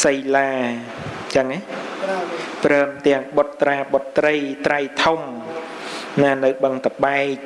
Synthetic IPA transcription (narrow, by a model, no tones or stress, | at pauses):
səjlaː | t͡ɕəŋaj | prəːmt̪ɛ̆əŋɓot̪ːraːɓot̪ːrəjt̪rajt̪ʰum | naːnɨwɓəŋt̪əɓaɛk̚